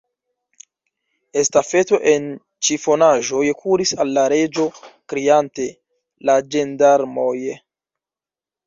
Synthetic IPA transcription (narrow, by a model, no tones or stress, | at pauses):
e̞stafe̞to̞ʔe̞n | t͡ʃifo̞naʒo̞jkʰuɾisalːaɾe̞d͡ʒo̞kɾiante̞ | lad͡ʒendaɾmoj